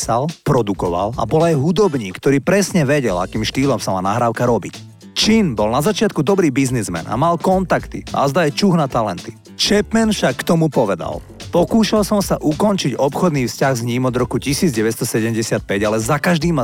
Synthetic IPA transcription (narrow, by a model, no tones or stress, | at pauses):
salpɾɔd̪ukɔʋa̰la̰bɔlajɦud̪ɔbɲiːkt̪ɔɾiːpɾɛsɲɛʋɛɟɛla̰kiːmʃt̪iːlɔmsamaːnaɦɾaːʊkaɾɔbic | t͡ʃinbɔlnazat͡ʃɪat̪kud̪ɔbɾiːbiznizmɛ̰na̰malkɔnt̪akt̪ḭa̰zd̪ajt͡ʃuɣnat̪alɛnt̪i̥ | t͡ʃɛpmɛnfʃakːt̪ɔmupɔʋɛd̪a̰l | pɔkuːʃalsɔmsaʔukɔnt͡ʃiɟɔpxɔd̪niːfscaɣzɲiːmɔd̪ɾɔkucisiːd͡zɟɛʋɛst̪ɔsɛɟɛmɟɛsɪat̪̚pɛɟalɛzakaʒd̪iːma